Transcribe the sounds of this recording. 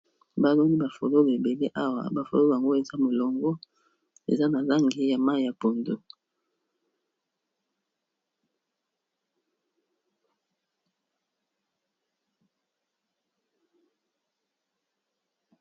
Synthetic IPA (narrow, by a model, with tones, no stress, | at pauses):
ba˦lɔ˦ni˦ba˨fo̰˨lo˦be˨be˨le˦ʔa˦wa̰˨ba˨fo̰˨lo˦˨a˨ŋɡo˦e˨za˦mo˨lɔ˨ŋɡɔ˦ | ḛ˨za˦na˨la˦ŋɡi˨ja˨ma˦i˨ja˨po˨ndo˦